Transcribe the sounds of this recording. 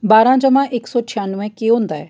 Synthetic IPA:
baːɾãd͡ʒəmãːʔeksɔːt͡ʃʰijaːnʋɛ̃keɦõːnd̪aːɛː

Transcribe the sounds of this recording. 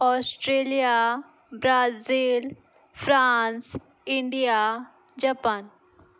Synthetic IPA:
ɔːsʈɾeːlija | bɾaːziːl | fʰɾaːns | ɪɳɖija | d͡ʒapaːn

